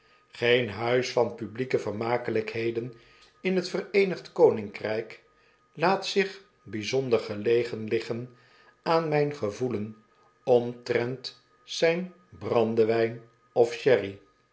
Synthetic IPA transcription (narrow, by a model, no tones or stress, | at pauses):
χejnɦœɥsfɑnpyblikəvəɹmaːkələkɦejdən | ɪnɦətfərejnəχtkownɪŋkrɛjk | laːtsɪχ | bizɔndəɹχəlejχənlɪχən | aːnmɛjnχəvulən | ɔmtrɛnt | sɛjn | brɑndəʋɛjn | ɔfʃɛri